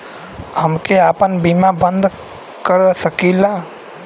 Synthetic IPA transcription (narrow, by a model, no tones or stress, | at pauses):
həmkeapənbimabənd̪ʱ | kəɾsəkila